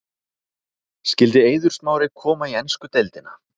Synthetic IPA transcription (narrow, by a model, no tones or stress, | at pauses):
scɪlt̪ɪeːjðʏɾ̥st̪̚maːwɾɪkʰɔːmaiɛnskʏt̪ejlt̪ɪna̰